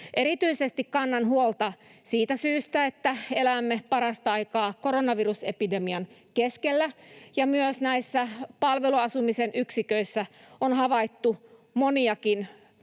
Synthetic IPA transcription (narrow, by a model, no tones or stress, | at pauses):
ʔeɾit̪yisest̪ikkɑnːɑnɦuolt̪ɑsiːt̪æsyːst̪æet̪ːæelæmːepɑɾɑst̪ɑɑikɑːkoronɑʋirusepidemiɑnkeskelːæjɑmyøsnæisːæpɑlʋeluɑsumisenʔyksikøisːæonhɑʋɑit̪ːumoniɑkin